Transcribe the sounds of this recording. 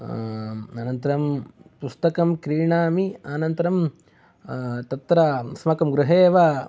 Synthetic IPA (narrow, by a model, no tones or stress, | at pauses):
ɐnɐnt̪ɐɾɐmpust̪ɐkɐmkɾiːɳaːmiaːnɐnt̪ɐɾɐm | t̪ɐt̪ɾɐsmɐkɐmɡɾuɦeːʋa